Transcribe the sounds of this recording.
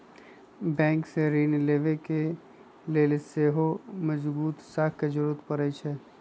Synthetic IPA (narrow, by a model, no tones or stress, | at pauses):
bɛ̃ːŋkseɾiːnleːʋeke | leːlseːɦoməd͡ʒbuːt̪saːkked͡ʒəɾuːt̪pəɾəjt͡ʃʰɛ